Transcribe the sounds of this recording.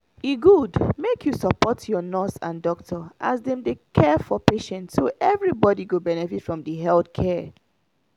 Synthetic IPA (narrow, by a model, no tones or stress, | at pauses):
iɡudmekʰjusəpɔtʰjɔnɔsã̰ndɔktʰɔʔazdɛ̃mdekʰɛfɔpeʃɛ̃ntsoʔɛvɹibɔdiɡobɛnɛfitfɹɔ̃mdiɦɛldkʰɛ